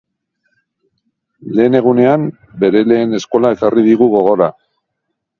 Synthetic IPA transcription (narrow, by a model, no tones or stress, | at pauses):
le̞ːne̞ɣ̞une̞am | be̞ɾe̞le̞ːne̞sko̞laekarið̞iɣuɣ̞o̞ɣo̞ɾa